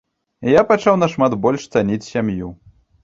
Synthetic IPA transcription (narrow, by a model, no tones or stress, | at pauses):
japat͡ʂawnɐʂmad̪bɔlʲʂt̪sanʲit͡sʲsʲamju